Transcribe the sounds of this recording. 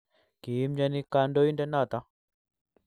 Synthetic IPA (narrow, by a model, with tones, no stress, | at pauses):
ki˨i˦md͡ʒa˦ni˦ka˦ndɔ˦i˦ndɛ˦na˦˨t̪a˦